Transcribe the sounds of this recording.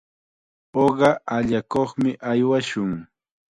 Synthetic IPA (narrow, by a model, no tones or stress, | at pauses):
oɢɑʔaʎakoχmɪʔajwaʃʊŋ